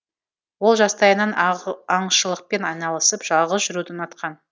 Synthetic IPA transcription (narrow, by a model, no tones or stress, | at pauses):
wo̞lˠʒɑst̪ɑjənɑnɑɴʃəlˠəq̚pe̞nɑjnɑlˠəsəpʒ̥ɑlˠʁəsʒʏɾud̪ɪnɑt̪qɑn